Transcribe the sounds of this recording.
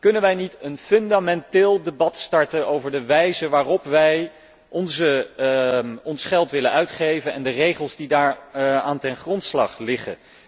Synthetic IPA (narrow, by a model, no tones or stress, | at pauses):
kɵnənʋɛjnitənføndamɛntɪːlˠdebɑtstɑɹtənowvəɹdəʋɛjzəʋaːrɔpʋɛj | ʔɔnzə | ɔnsχɛlˠtʋɪlənœɥtχejvənɛndərejχəlˠzdidaːɹaːntɛnχrɔntslɑ̰χlɪχə̰n